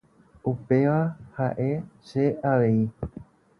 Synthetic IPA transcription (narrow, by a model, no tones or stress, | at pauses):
upe̞ʋahaʔe̞ʃe̞aʋe̞i